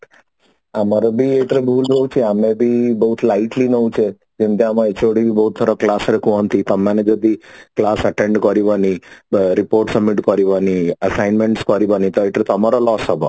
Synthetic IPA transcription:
amaɾobʱieʈɾebʱuːlɾoũt͡ʃʰeamẽbʱibəɦut̪laiʈlinɔũt͡ʃʰe | d͡ʒemt̪eamãet͡ʃoɽibʱibəɦut̪ʰːɔɾoklasɾekʰũɦɔnt̪it̪əmaned͡ʒɔd̪iklasəʈeɳɖkɔɾiʋaniɾipoɾʈsəbmːiʈkɔɾiʋaniəsajnmẽɳʈskɔɾiʋanit̪ɔeʈɾet̪əmaɾolɔsɦɔbo̰

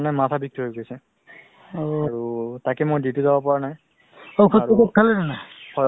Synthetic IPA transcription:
najmatʰabik̚tʰiɦojɡojsɛ | oɹutakɛmojdituzabɔpaɹanaj | okʰɔaukot̚kʰːanazanahɔ

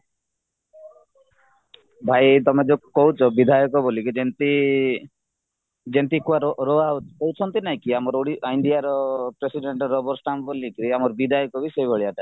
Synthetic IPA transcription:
bʱajt̪ɔmed͡ʒokɔɦut͡ʃʰɔbid̪ʱajɔkɔbolikid͡ʒent̪i | d͡ʒent̪ikuaɾɔɾoakɔwt͡ʃʰɔnt̪inaĩkiamɔɾoɽiʔajɳɖijaɾɔpɾesiɖeɳʈɾɔbɔɾsʈambolikɾiamɔɾbid̪ʱajɔkɔbisebʱɔɭiaʈa

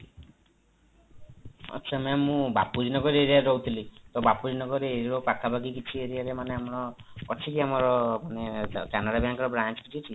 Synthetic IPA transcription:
a̰tːʃʰamɛmũbapud͡ʒinɔɡɔɾeɾeɾɔut̪ʰilit̪ɔbapud͡ʒnɔɡɔɾeːɾokakʰabaɡikit͡ʃʰieɾiaɾemaneamɽɔɔt͡ʃʰikiamaɾɔmanekanaɾabjaŋkɔɾɔbɾant͡ʃkit͡ʃʰit͡ʃʰi

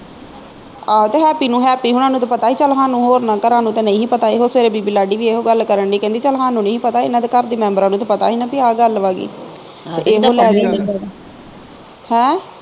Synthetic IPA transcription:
aːt̪eːɦɛːpiːnũːɦɛːpiːɦʊnãːnũːt̪ːpət̪aːiːt͡ʃəlɦãːnũːɦoːɾnãːkəɾãːnũːt̪ẽːnə̃ĩːɦiːpət̪aːeːɦoːseːɾeːbiːbiːlaːɖiːʋiːeːɦoːɡəlkəɾəɳɖiːkɛ̃nd̪iːt͡ʃəlɦãːnũːnə̃ːɦiːpət̪aːɪnãːt̪eːkəɾd̪iːmɛ̃ːmbəɾãːnũːt̪ːpət̪a̰ːɦiːnãːpiaːɡəlʋaːɡḭː | teːʔeːɦoːlɛːd̪iː | hɛ̃ː

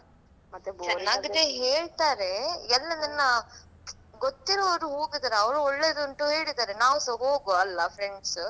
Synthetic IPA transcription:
ɐnɐɡɐd̪eɦeːɭt̪aːɾeɛlːɐnɐnːɐ | ɡot̪ːiɾoɔɾuɦoːɡid̪ɐːɾeɐʋɾuɔɭːed̪uɳʈuɦeːɭit̪aːɾenaːʋusoɦoːɡuɐlːɐfʰɾeɳɖs

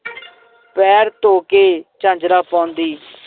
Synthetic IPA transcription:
pɛːɾt̪oːkeːt͡ʃãːɲd͡ʒɾaːpãːnd̪iː

